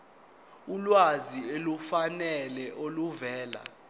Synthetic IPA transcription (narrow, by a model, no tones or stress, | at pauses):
ulwazielufanɛlɛʔoluvɛːla̰